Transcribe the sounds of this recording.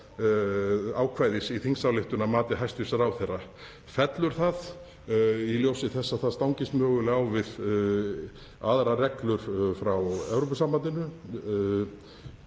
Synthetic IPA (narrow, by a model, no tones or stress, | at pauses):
aːwkʰvaːjðɪsiθiŋsawlɪht̪ʏnamaːt̪ɪɦajst̪visaɾawθɛrːa | fɛt̪lʏɾ̥θað | iljowsɪθɛsːaθaðst̪awŋcɪst̪mœːɣʏlɪawvɪð | aðɾarɛklʏɾ̥fɾawɛwɾowpʏsambanɪnːʏ